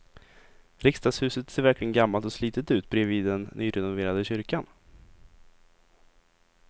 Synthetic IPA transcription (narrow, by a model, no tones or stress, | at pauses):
ɾɪkst̪ɑːshʉ̟ːsət̪seːɾvæɾklɪɡənɡamːalt̪ɔsliːt̪ət̪ʉ̟ːt̪̚bɾɛviːd̪ːɛnːyːɾɛnʊveːɾad̪əɕʏɾkan